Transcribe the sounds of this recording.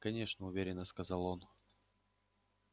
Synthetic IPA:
kɐnʲe̞ʂnəʊvʲeɾʲɪnːəskɐzɑlˠon

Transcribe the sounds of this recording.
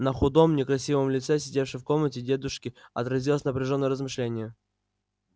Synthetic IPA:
nəxʊd̪o̞mnʲɪkɾɐsʲivəmlʲɪt̪sɛsʲɪdʲefʂɨjfko̞mnətʲɪdʲe̞d̪ʊʂkʲɪɐt̪ɾɐzʲilˠəsʲnəpɾʲɪʐonːəjəɾəzmɨʂlʲenʲɪjə

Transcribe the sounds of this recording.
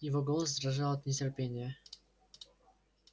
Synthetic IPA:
jɪvɔɡɔlˠəzd̪ɾaʐalˠət̪nʲɪt͡sʲɪrpʲenʲɪjə

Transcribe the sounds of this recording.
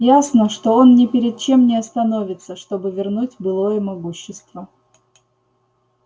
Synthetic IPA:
jasnəʂt̪o̞o̞nnʲɪpʲɪɾʲɪd̪̚t͡ɕe̞mnʲɪɐst̪ɐno̞vʲɪt̪səʂt̪o̞bɨvʲɪrnutʲbɨlˠo̞jəmɐɡuɕːɪst̪və

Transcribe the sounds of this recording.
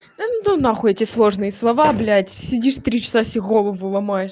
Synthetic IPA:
nunaxʊɛtʲɪslˠoʐnɨjəslˠɐvaɐblʲætʲsʲɪdʲiʂt̪ɾʲit͡ɕɪ̥sasʲɪɣolˠəvʊlˠɐmajɪʂ

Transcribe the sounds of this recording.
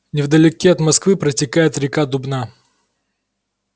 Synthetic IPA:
nʲɪvd̪əlʲɪkʲiɐt̪mɐskvɨpɾətʲɪkajɪt̪ɾʲɪkad̪ʊbna

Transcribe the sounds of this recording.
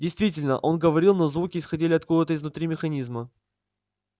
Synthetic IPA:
dʲɪjst̪vʲitʲɪlʲnə̰ʔo̞nɡəvɐɾʲilˠnozvukʲɪɪsxɐdʲilʲɪɐt̪̚kuvət̪əɪznʊt̪ɾʲimʲɪxɐnʲizmə

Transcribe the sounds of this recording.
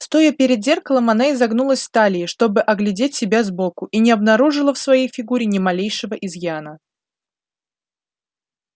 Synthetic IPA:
st̪o̞jəpʲɪɾʲɪd̪zʲe̞rkəlˠəmɐnaɪzɐɡnulˠəsʲft̪alʲɪːʂt̪o̞bɨʔɐɡlʲɪdʲetʲsʲɪbʲazbo̞kʊʔinʲɪɐbnɐɾuʐɨlˠəfsvɐjejfʲɪɡuɾʲɪnʲɪmɐlʲejʂɨvəʔɪzjanə

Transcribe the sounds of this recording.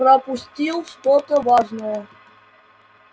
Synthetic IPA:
ɾɐpusʲtʲilˠʂt̪ɔt̪əvɑʐnəjə

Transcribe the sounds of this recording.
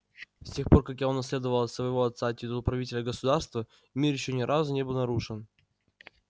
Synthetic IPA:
sʲtʲe̞xpo̞rkakjaonːɐs̬ʲlʲe̞d̪əvəlˠəsvəɪvo̞ɐt̪sːatʲːɪd̪əlˠpɾɐvʲitʲɪlʲəɡəsʊd̪arst̪və | mʲirjɪɕːonʲɪɾʔazʊnʲe̞bɨlˠnɐɾuʂɨn

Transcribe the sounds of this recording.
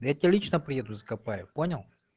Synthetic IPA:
d̪jat̪ʲialʲit͡ʃnəpɾʲijɛd̪ʊzəɐkɐpajʊponʲɐlˠ

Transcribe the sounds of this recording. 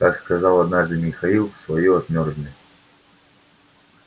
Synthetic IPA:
t̪akskazalˠɐd̪naʐd̪ɨmʲixailˠfsvɐjuɐt̪mʲɔrd̪ʲnʲɪ

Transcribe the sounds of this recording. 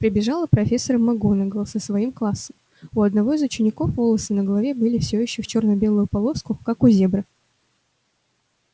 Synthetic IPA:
pɾʲɪbʲɪʐalˠəpɾɐfʲe̞sːəɾəmːɐɡonəɡəlˠsəsvɐimklˠasːəm | ʊɐd̪nɐvo̞ɪzʊt͡ɕɪnʲɪko̞fvo̞lˠəsɨnəɡəlˠɐvʲebɨlʲɪfsʲojɪɕːoft͡ɕornəbʲe̞lˠʊjʊpɐlˠo̞skʊkakʊzʲe̞bɾə

